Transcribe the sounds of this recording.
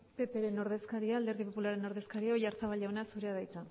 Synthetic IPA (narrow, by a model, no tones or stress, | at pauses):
pe̞pe̞ɾe̞no̞ɾðe̞skaɾiaːld̪eɾðipo̞pulaɾe̞no̞ɾðe̞skaɾiaojaɾt͡saβaʎawenasuɾe̞aðajt͡sa